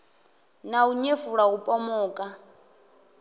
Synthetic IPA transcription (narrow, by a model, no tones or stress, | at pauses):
nauɲefuɺaupʼɔmɔːkʼa